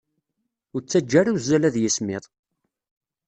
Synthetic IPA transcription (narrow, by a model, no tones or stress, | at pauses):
ʊɾt͡sːæd͡ʒːæɾawzælæðjəsmɪðˤ